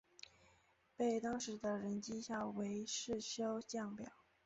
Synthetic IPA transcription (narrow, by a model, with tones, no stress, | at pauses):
pe˥˩ɪt̪ɑ˥ŋʂɻ̩˧˥d̪ə˧ɻə˧˥nt͡ɕi˥ɕjɑ˥˩we˧˥ɪʂɻ̩˥˩ɕjo˥ʊt͡ɕjɑ˥˩ŋpjɑ˨˩˦ʊ